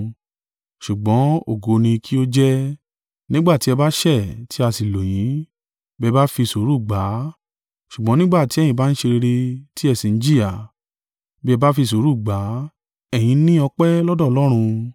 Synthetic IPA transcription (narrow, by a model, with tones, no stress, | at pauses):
ʃu˨ɡ͡bɔ̃˨˦o̰˦˨ɡo˨˧nĩ˧kʰi˦o˦d͡ʒɛ˦ | nĩ˦ɡ͡ba˦˨ti˨˦ɛ˧ba˦ʃɛ˦˨tʰi˨˦a˧si˨lo˨j̃ĩ˨˦ | bɛ˦˧ba˦fi˧˨so˨˦ɾu˦˨ɡ͡ba˨˦ | ʃu˨ɡ͡bɔ̃˨˦nĩ˦ɡ͡ba˦˨ti˨˦ɛ̃˦˨ĩ˨ba˨˦n̩˦ʃe˧ɾe˧ɾe˧ti˦ɛ˦˨sĩ˨n̩˦d͡ʒi˦ja˨ | bi˦ɛ˧ba˦fi˧s̬o˨˦ɾu˦˨ɡ͡ba˨˦ | ɛ˨j̃ĩ˧˦nĩ˦ɔ˧k͡pɛ˦lɔ˦dɔ˦˨lɔ˦ɾ̃ũ˧